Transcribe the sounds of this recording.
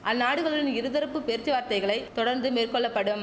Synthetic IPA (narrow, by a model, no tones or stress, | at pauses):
ʔɐnːaːɽɯʋɐɭɯɽɪnɪɾɯðɐɾɐpːɯpeɾt͡ʃːɯʋaːɾt̪ɐɪɣɐɭɐɪt̪ːɔɽɐɾnd̪ɯmeːrkɔɭːɐpːɐɽɯm